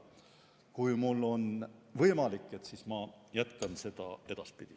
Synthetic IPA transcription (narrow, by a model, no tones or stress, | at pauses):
kujmulːo̞nvɤjmɑlikːˑe̞t̪siːsmɑjæt̪ˑkɑnse̞d̪̥ɑ̰e̞d̪̥ɑspid̪̥i